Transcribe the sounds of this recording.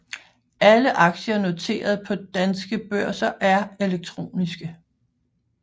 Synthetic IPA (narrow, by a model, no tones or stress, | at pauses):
æləʔɑ̈ɡ̥ɕɐno̝t͡sʰe̝̰ːɐð̞̩ˠpʰɒ̽d̥ænsɡ̥əb̥ɶɐ̰sɐʔæɐe̝leɡ̥̚t͡sʰʁo̝̰ːnisɡ̥ə